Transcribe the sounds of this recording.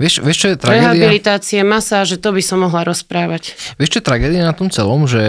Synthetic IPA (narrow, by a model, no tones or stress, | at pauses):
ʋɪɛʃʋɪɛʃt͡ʃɔɛt̪ɾaɾɡɛɦaibilit̪aːt͡siɛmasaːʒɛt̪ɔbisɔmːɔɦlaɾɔspɾaːʋacʋɪɛʃt͡ʃɔɛt̪ɾaɡɛːd̪ianat̪ɔmt͡sɛlɔmʒɛ